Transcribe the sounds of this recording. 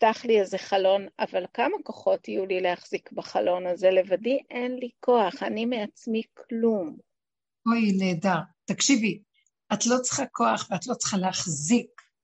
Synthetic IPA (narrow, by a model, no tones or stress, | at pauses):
taχliezeχalo̞na̰valkamakoχo̞tijulilehaχz̥ikbaχalo̞naze̞levadiʔenliko̞aχanimeat͡smikʰlum | ojne̞ːdaʁtakʃivi | ʔatlo̞t͡sə̥χako̞aχveatlo̞t͡sχaleaχzik